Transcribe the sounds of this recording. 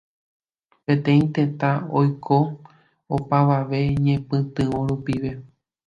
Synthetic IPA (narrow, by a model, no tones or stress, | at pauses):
pẽ̞t̪ẽ̞ĩt̪ẽ̞t̪ãojkʰo | opaʋaʋe̞ɲẽ̞pɨ̃t̪ɨõɾupiʋe̞